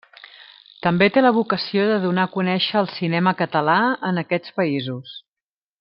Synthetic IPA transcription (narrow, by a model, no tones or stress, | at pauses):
t̪əmbet̪eləβukəsioðəðunakunɛʃəːlˠsinɛməkət̪əlaənəkɛt͡spəizus